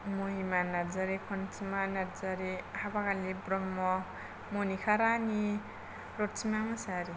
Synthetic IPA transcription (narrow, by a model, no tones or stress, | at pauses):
moɦimanaɾd͡zaɾekʰɔnt͡simanaɾd͡zaɾehabakalebɾɔmːɔ | monikʰaɾani | ɾoʈt͡simamasaɾi